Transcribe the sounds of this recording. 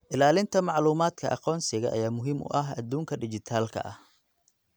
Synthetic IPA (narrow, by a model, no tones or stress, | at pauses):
ʔɪlaːlɪnt̪ʰɐmɑʕluːmaːd̪kʰɐʔɑ̰qɔːnsɪɣɐʔɐjaːmʊɦiːmʊ̰ʔɐɦɐd̪uːŋkʰɐɖɪt͡ʃɪt̪ʰaːlkʰɐ̰ʔɐh